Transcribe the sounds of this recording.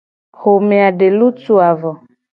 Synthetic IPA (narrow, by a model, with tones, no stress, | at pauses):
xo˨me˨a˨ɖe˨lu˦tu˦a˨vɔ˨